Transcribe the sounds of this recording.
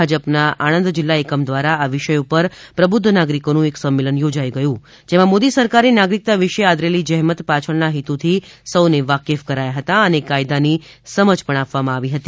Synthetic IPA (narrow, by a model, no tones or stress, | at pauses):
ad͡ʒəpnaʔañə̃nd̪d͡ʒɪlːaekəmd̪ʋaɾaːʋɪʃəjupəɾpɾəbʊd̪ʱːənaɡɾikonũeksəmːelənjod͡ʒajɡəjũ | d͡ʒemãmod̪isəɾkaɾenaɡɾik̚t̪aʋiʃead̪ɾelid͡ʒəɦmət̪pat͡ʃʰəɭnaɦit̪ut̪ʰisəwneʋakefkəɾajaɦət̪aənekajd̪anisəməd͡ʒpəɳ̃apʋamãaʋiɦət̪i